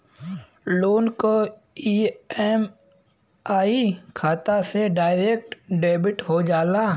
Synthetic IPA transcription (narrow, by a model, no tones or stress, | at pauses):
loːnko | iɛːm | aːikʰaːt̪aseɖaːɪɾeːk̚ʈɖeːbɪʈɦod͡ʒaːlaː